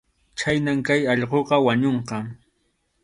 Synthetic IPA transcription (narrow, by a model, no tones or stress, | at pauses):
t͡ʃajnamkajɑʎqoqɑwaɲoɴqɑ